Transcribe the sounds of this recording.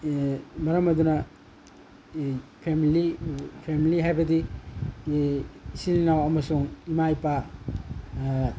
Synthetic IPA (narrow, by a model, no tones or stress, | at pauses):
mɐɾɐmɐdunɐ | pʰemilipʰemiliɦajbɐdi | silinawɐmɐsuŋimajpa